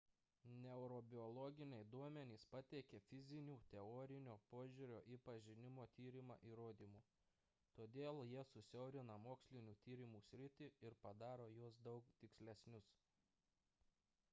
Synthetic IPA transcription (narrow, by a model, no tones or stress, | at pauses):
nʲɛʊɾɔbʲɪɔlˠɔːɡʲɪnʲɛɪd̪uɔmʲɛnʲiːspɐt̪ʲɛɪkʲefʲɪzʲɪnʲuːt̪ʲɛɔoːɾʲɪnʲoːpoːʒʲuɾʲoːʔiːpɐʒʲɪnʲɪmoːt̪ʲiːɾʲɪmɑ̰ːʔiːɾoːd̪ʲiːmuː | t̪oːd̪ʲeːlˠjiɛsʊsʲɛʊɾʲɪnɐmoːksʲlʲɪnʲuːt̪ʲiːɾʲɪmuːsʲɾʲɪt̪ʲiɪɾpɐd̪ɑːɾoːjuɔsd̪ɒʊkt̪ʲɪksʲlʲɛsʲnʲʊs